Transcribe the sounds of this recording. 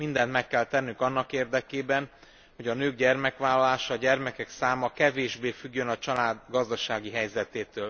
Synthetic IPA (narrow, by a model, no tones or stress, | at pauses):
mind̪ɛnt̪mɛkːɛlt̪ɛnːyŋkɒnːɒkeːrd̪ɛkeːbɛn | ho̞ɟɒnøːɡɟɛrmɛkʋaːlːɒlaːʃɒːɟɛrmɛkɛksaːmɒkɛveːʒbeːfyɡːø̞nɒt͡ʃɒlaːd̪ɡɒzd̪ɒʃaːɡiɦɛjzɛt̪eːt̪øːl